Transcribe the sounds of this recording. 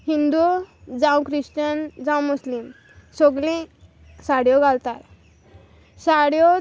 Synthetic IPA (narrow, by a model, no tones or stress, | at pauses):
hind̪ud͡zãw̃kɾistənd͡zãw̃muslim | soɡlĩ | saɽjɔɡalt̪aɾ | saɽjo